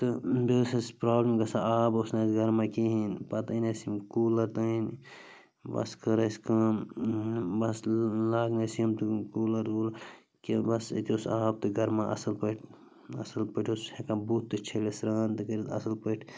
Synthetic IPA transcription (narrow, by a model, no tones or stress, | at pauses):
t̪ɨboːsɐspɾaːblɐmɡɐsaʔaːbosnɐːsɡɐɾmakiɦinpɐt̪inɐsimkuːlɐɾt̪ɐin | bɐ̰skɐɾɐskɐ̃ | bɐslaːɡnɐsiɐmt̪ɨkuːlɐɾɡul | kibɐsḭt̪iosaːb̚t̪ɨɡɐɾmaʔɐ̰sɐlpɐʈʰ | ɐsɐlpəʈʰoshekãːbuːt̪ːɨt͡ʃʰelesɾaːnt̪ɨkɐɾit̪ɐ̰sɐlpəʈʰ